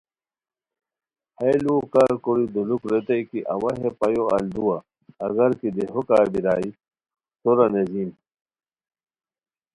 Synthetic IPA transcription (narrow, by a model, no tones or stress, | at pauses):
hejlukaːɾkoɾid̪ulukɾet̪ɐjkiʔɐwɐɦepɐjoɐ̰ld̪uwaː | ɣɐɾkid̪eɦokaːɾbiɾaːi | t̪oɾɐnezim